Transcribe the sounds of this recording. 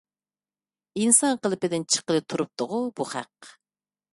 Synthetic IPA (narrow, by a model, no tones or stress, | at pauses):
insɑŋqəlˠɨpɪd̪ɪnt͡ʃʰə̥qəlˠɨt̪ʰuɾup̚t̪ʊʁʊb̥uχæ̰q